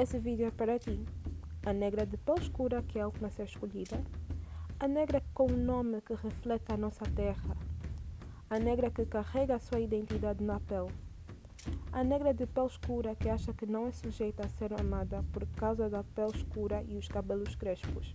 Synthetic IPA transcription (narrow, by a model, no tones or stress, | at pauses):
esɨvid̪juɛpɐɾɐt̪iɐnɛɡɾɐd̪ɨpɛlʃkuɾɐkɛalˠt̪umɐseɾʃkoʎid̪ɐ | ɐnɛɡɾɐkõunõmɨkɨʁeflɛt̪ɐnɔsɐt̪ɛʁɐ | ɐnɛɡɾɐkɨkaʁɛɡɐːsuɐid̪ẽnt̪id̪ad̪ɪnɐpɛl | ɐnɛɣɾɐd̪ɨpɛlʃkuɾɐkɨaʃɐkɨnɐ̃w̃ɛsuʒejt̪ɐːseɾɐmad̪ɐpoɾkawzɐd̪ɐpɛlʃkuɾɐʔiuʃkɐbelʊʃkɾeʃpuʃ